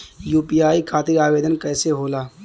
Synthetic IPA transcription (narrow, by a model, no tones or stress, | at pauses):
juːpijaːikʰaːt̪iːɾaːʋeːd̪ənkɛːseɦoːlaː